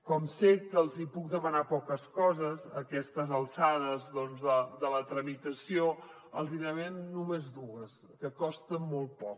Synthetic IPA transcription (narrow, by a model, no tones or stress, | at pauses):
kɔmsekːəlˠzipuk̚d̪əmənapɔkəskɔzəzə̰kɛst̪əzəlˠsaðəzðɔnzðəðələt̪ɾəmit̪əsio | əlˠzinəβenːumezd̪uəs | kəkɔst̪əmɔlˠt̪̚pɔk